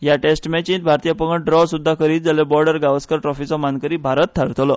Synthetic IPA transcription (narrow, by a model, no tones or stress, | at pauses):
ɦjaʈesʈmɛt͡ɕĩnt̪̚bʱaɾt̪ijəpəɡəɖɾɔsud̪ʱːakəɾiːt̪d͡zalebɔɾɖəɾɡaʋəskəɾʈɾɔfit͡sɔmankəɾiːbʱaɾət̪t̪ʰːaɾt̪lɔ